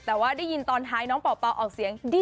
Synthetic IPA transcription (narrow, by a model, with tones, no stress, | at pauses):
t̪ɛː˨˩waː˥˩daː˥˩jːi˧nt̪ɔː˧nt̪ʰaː˦˥jnɔː˦˥ŋpɔː˨˩pa˧wʔɔː˨˩k̚si˨˩˦əŋdi˥˩